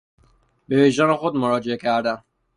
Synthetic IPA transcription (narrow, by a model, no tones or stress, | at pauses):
beveʒæːnexod̪moɾɒːd͡ʒeekʲʰæɾd̪æn